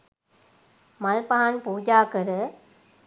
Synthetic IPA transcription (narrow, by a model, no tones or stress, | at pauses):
mɐlpaːnpuːd͡ʒaːkɐɾɯ